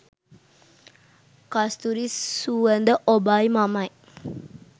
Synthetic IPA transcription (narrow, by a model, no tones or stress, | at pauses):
kast̪uɾissuənd̪əʔobajmamaj